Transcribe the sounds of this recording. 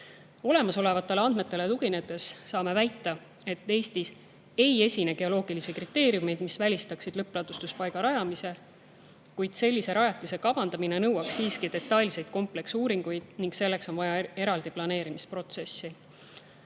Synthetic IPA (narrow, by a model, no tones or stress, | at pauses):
o̞le̞mɑso̞le̞vɑt̪ːˑe̞leɑnd̪me̞t̪ːˑe̞le̞t̪uɡine̞d̪ˑe̞sːɑːme̞væjt̪ˑːɑ | e̞t̪ːe̞ːst̪is | e̞je̞sʲineɡe̞o̞lo̞ːɡ̥ilisikrit̪ːe̞ːɾijume̞jd̪̥misvælʲist̪ɑksid̪̥lɤpːˑlɑd̪̥ust̪uspɑjɡ̥ɑɾɑjɑmise̞ | kujd̪̥se̞lʲːise̞ɾɑjɑt̪ːˑise̞kɑbɑnd̪̥ɑmine̞nɤwɑksːiːskid̪̥e̞t̪ːɑlʲse̞jd̪̥ko̞mple̞ksuːɾiŋɡ̥ujd̪̥niŋkse̞lːe̞kso̞nvɑjɑe̞ɾɑld̪iplɑne̞ːɾimispro̞t̪se̞sːi